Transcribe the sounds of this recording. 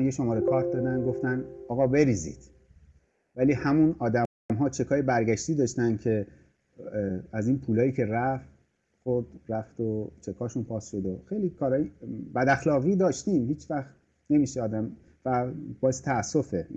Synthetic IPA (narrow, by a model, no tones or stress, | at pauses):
njeʃomɒːɾekʰɒːɾt̚d̪ɒːd̪ænd̪ɡo̞ft̪ænɒːɣɒːbe̞ɾiːzḭːd̪̥ | væliːhæmunɒːd̪æ | mɦɒːt͡ʃʰe̞kʰɒːjebæɾɡæʃt̪iːd̪ɒːʃt̪ænd̪cʰe̞ | æziːnpʰuːlɒːjiːcʰe̞ɾæf | xoɾd̪ɾæft̪ot͡ʃʰe̞kʰɒːʃunpʰɒːsʃod̪oxejliːkʰɒːɾɒːjibæd̪æxlɒːɣiːd̪ɒːʃt̪imhiːt͡ʃvæxt̪ | ne̞miːʃeɒːd̪æm | væbɒːjese̥t̪ʰæːsːo̞fe